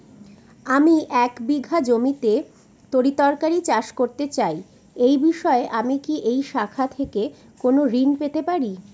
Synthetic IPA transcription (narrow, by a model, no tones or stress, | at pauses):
amiʔɛkbiɡʱad͡ʑomit̪e | t̪oɾit̪ɔɾkaɾit͡ɕaʃkoɾt̪et͡ɕaj | ejbiʃɔeʔamikiʔejʃakʰat̪ʰeke | konoɾinpet̪epaɾi